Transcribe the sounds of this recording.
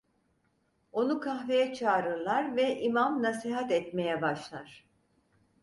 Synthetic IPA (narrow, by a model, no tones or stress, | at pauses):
o̞nukʰaxve̞jɛt͡ʃʰaːɾɯɾlˠaɾvɛʔimamnasiɦat̪ɛt̪me̞jɛbaʃlˠaɾ̥